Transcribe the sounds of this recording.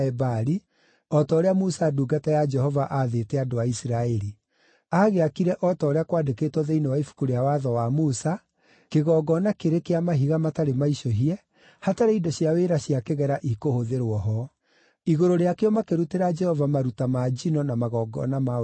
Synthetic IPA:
ɛbaɾi | ɔtɔoɾeamusaːduɡatajad͡ʒɛɦɔvaʔaðetɛadoaisiɾaɛɾi | aːɣeakiɾɛʔɔtɔːɾeakwaːdekeːtwɔðeinewaifu̥kuɾeawaðɔwamusa | keɣɔɡɔnakeɾekeamaɦiɣamataɾemaiʃɔɦiɛ | hataɾeindɔɕjaweɾaɕjakeɣɛɾaʔikohoðeɾwɔɦɔ | iɣoɾoɾeakeɔmakeɾuteɾad͡ʒɛhɔvamaɾutamad͡ʒinɔnamaɣɔːɡɔ̰nama

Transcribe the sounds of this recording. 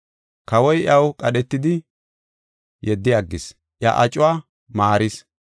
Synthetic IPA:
kɐwɔjʔɐwkʼɐɗɛt̪ːɪd̪ɪ | jɛd̪ːɪjɐɡːɪs | ʔja̰ʔɐt͡ʃʼʊwaː | maːɾɪs

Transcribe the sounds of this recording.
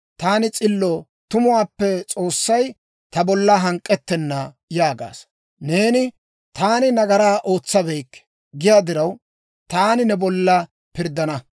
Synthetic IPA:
t̪aːnɪt͡sʼɪlːɔ | t̪ʊmʊwaːpːɛt͡sʼo̞ːsːɐj | t̪ɐbɔlːɐɦɐŋkʼːɛt̪ːɛnːa | jaːɡa̰ːs | ne̞ːnɪ | t̪aːnɪnɐɡɐɾaːʔo̞ːt͡sːɐbɛjkː | ɡɪjaːd̪ɪɾɐw | t̪aːnɪnɛbɔlːɐ | pɪɾd̪ɐnɐ

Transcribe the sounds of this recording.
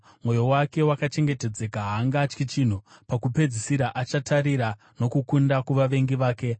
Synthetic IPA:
mwo̞jo̞wake̞wakat͡ʃe̞ŋɡe̞te̞d͡ze̞kaɦaːŋɡaːt͡ʃkit͡ʃin̤upakupe̞d͡zisiɾaʔat͡ʃatʰaɾiɾa | no̞kukundakuʋaʋe̞ŋɡiʋaːke̞

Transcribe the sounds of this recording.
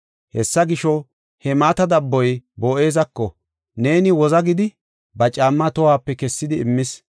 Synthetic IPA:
hɛsːɐɡɪʃɔ | hɛmaːt̪ɐd̪ɐbːɔjboːʔe̞ːzɐkːɔ | ne̞ːnɪwɔzɐɡɪd̪ɪ | bɐt͡ʃʼaːmːɐt̪ɔhaːpːɛkɛsːɪd̪ɪɪmːɪs

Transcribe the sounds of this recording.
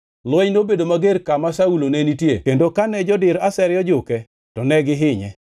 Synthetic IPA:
lwɛɲnobedomaɡeɾkamasaulonenitjḛkendokanɛd͡ʒɔdɪɾasɛɾjɔd͡ʒʊkɛ | tɔnɛɡɪɦɪɲɛ̰

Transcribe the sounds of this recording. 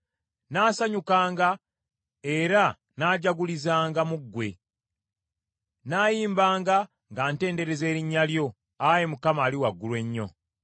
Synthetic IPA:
naːsaɲukaːŋɡa | e̞ɾa | naːɟaɡulizaːŋɡamuɡːwe̞̰ | naːjiːmbaːŋɡa | ŋɡaːnte̞ːnde̞ɾe̞ze̞ːɾiɲːaljo̞ | aje̞mukamaːliwaɡːulwe̞ɲːo̞̰

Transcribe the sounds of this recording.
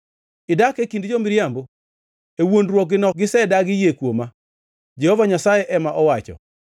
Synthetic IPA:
ɪdakekindd͡ʒomɪɾjambo | ewondɾwɔk̚ɡɪnɔk̚ɡɪsɛdaɡɪjekwoma | d͡ʒɛhɔvaɲasajɛʔɛmaʔɔwat͡ʃɔ̰

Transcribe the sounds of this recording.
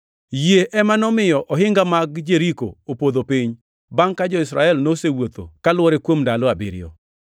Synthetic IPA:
jeʔɛmanɔmɪjɔʔɔɦɪŋɡamaɡd͡ʒeɾiko̰opod̪opiɲ | baŋkad͡ʒɔɪsɾaɛlnosewot̪o̰kalwɔɾekwomdalɔabɪ̰ɾɪ̰jɔ̰

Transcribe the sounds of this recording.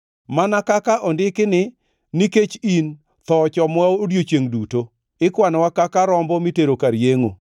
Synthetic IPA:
manakakaʔɔndɪkɪnɪ | niket͡ʃin | t̪ɔt͡ʃɔmaodjot͡ʃeŋduto | ɪkwanwakakaɾɔmbɔmiteɾokaɾjeŋo̰

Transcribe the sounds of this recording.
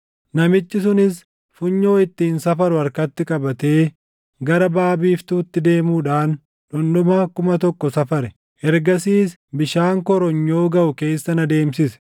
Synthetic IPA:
nɐmɪt͡ʃːɪsʊnɪs | fʊɲːo̞ːɪt̪ːiːnsɐfɐɾʊɐɾkɐt̪ːɪkʼɐbɐt̪e̞ː | ɡɐɾɐbaːbiːft̪uːt̪ːɪd̪e̞ːmuːᶑaːn | ᶑɔndɔmɐkʊmɐt̪ɔkːɔsɐfɐɾɛ | ʔɛɾɡɐsiːs | bɪʃaːŋkɔɾɔɲːo̞ːɡɐʔʊke̞ːsːɐnɐd̪e̞ːmsɪsɛ̥

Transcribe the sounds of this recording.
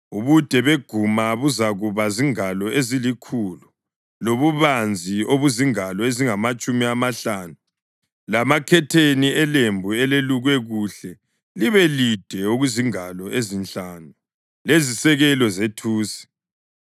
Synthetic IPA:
uβud̥ʱɛβeɡ̥ʱumaβuzaɣuβaziŋalɔezilikʰulu | loβuβand͡zʱioβuziŋalɔeziŋamat͡ʃʼumiamaɬaːnu | lamakʰɛtʰeniɛlembʱuɛleluɣwɛɣuɬɛ | liβɛlid̥ʱɛoɣuziŋalɔʔezint͡ɬaːnu | lezisɛɣɛlɔzetʰuːsi̥

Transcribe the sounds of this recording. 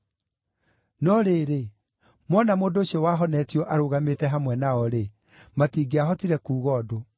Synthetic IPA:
nɔɾeːɾe | mwɔnamoːndoːɕiɔwaːɦɔnɛtiɔʔaɾoɣametɛɦamwɛnaɔɾe | matiːɡeaɦɔtiɾɛkuːɣɔːdo

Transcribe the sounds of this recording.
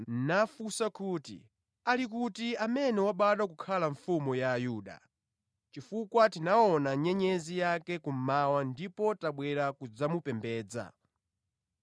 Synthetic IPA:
nafusakuːtḭ | alikutiamɛnɛwaɓaɗakukʰalaɱfumujaːjuːɗa̰ | t͡ʃifukwatinaɔnaɲɛɲɛzijakɛkum̩mawandipɔtaɓwɛɾakud͡zamupɛmbɛːd͡za̰

